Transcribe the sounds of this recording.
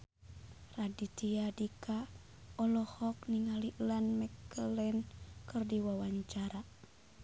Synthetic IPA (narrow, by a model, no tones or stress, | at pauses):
radit̪iadika | ɔlɔhɔk̚niŋaliʔlanmɛkəlɛnkɨrdiwawaɲt͡ʃaɾa